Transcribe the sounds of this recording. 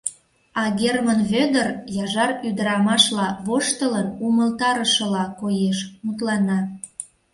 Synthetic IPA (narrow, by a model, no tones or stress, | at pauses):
ɑɣʲermənβød̪ərjɑʒɑryd̪əɾɑmɑʃlɑβoʃt̪ələnuməlt̪ɑɾəʃə̆lɑkojeʃmut̪̬lɑnɑ